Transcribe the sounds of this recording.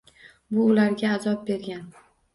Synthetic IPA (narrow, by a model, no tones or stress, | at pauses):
bʊːlaɾɡʲaːzɒp̚be̞ɾɡʲan